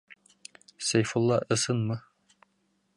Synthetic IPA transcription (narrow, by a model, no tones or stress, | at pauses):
sæjfulˠːɑʔɤ̆sɤnmɤ